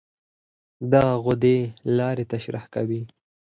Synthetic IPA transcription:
d̪aɣaɣʊd̪elɑɾet̪aʃɾahka̰wi

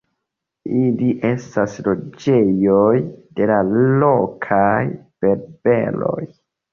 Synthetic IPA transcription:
iliʔe̞staslo̞d͡ʒe̞jojde̞lalokʰajb̥e̞ɾbe̞̰lo̞̰j

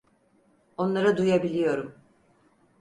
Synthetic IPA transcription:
o̞nlˠaɾad̪ujabilʲijo̞ɾum

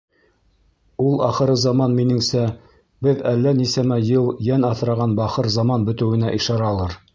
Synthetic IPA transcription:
ulˠɑχɤ̆ɾɤzɑmɑnminɘ̆ŋsæ | bɘðælːænisæmæjɤlˠjænɑθɾɑʁɑnbɑχɤɾzɑmɑnbɵ̆t̪ɘ̆wɘ̆næʔiʃɑɾɑlˠɤɾ

